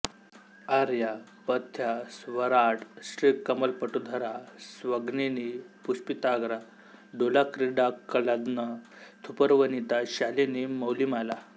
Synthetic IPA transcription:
aɾja | pət̪ʰːjasʋəɾaʈsɾikːəməlpəʈud̪ʱəɾasʋəɡninipuspit̪aɡɾa | ɖolakɾiɖakəlad̪nə | t̪ʰupəɾʋənit̪aɕaleniməwlimala

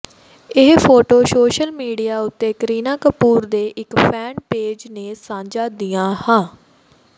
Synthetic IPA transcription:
ɪɦpʰoːʈoːʃoːʃəlmiːɖijaːʊt̪ːeːkəɾiːnãːkəpuːɾd̪eːʔɪkpʰɛːnpeːd͡ʒneːsãːd͡ʒaːd̪ijãːhãː

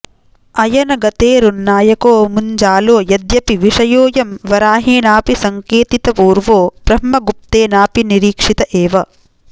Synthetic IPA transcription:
ɐjɐnɐɡɐt̪eːɾunːaːjɐkoːmuɲd͡ʒaːloːjɐd̪jɐpiʋiʂɐjoːjɐmʋɐɾaːɦiːnaːpisɐŋkeːt̪it̪ɐpuːɾʋoːb̥ɾɐɦmmɐɡup̚t̪eːnaːpiniɾiːkʂit̪ɐʔeːʋɐ

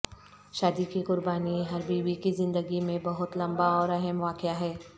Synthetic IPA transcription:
ʃaːd̪ikikʊɾbaːniɦɐɾbiːbikizɪ̃nd̪əɡimẽbɐɦʊt̪lɐ̃mbaɔːɾɐɦəmʋaːkɪaɦɛː

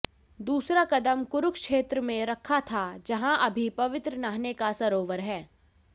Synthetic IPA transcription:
d̪uːsɾakɐd̪əmkʊɾʊkkʃeːt̪ɾəmẽɾɐkʰːat̪ʰad͡ʒɐɦãʔɐbʱipɐʋɪt̪ɾənaːɦnekasɐɾoːʋəɾɦɛː

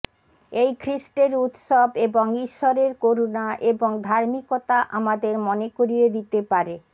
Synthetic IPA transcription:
ejkʰɾiʃʈeɾut̪ʃobeboŋiʃːoɾeɾkoɾonaʔeboŋd̪ʱaɾmikot̪aʔamad̪eɾmɔnekoɾied̪it̪epaɾe

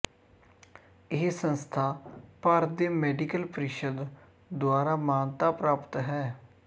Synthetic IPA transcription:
ɪɦsənst̪ʰaːpəɾd̪eːmɛːɖiːkəlpəɾɪʃəd̪ | d̪ʊaːɾaːmaːnt̪aːpɾaːpət̪ɦɛː

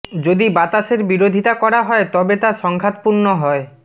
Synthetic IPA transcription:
d͡ʑod̪ibat̪aʃeɾbiɾod̪ʱit̪akɔɾaɦɔet̪ɔbet̪aʃɔŋkʰat̪̚puɾnoɦɔe

